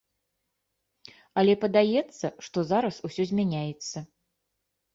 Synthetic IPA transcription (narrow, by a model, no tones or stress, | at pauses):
ɐlʲɛpɐd̪ajɛt̪sːɐʂt̪ɔzaɾɐsusʲɔzʲmʲanʲajɛt̪sːɐ